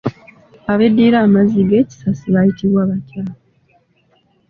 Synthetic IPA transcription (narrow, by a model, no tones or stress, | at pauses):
aβe̞dːiɾaːmaziɡe̞ːci̥sasiβajitiβwaːβacaːlo